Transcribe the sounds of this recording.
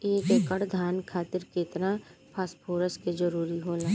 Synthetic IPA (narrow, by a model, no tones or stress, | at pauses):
eːkeːkəɽd̪ʱaːnkʰaːt̪ɪɾket̪napʰaːspʰoːɾəsked͡ʒəɾuːɾiɦoːlaː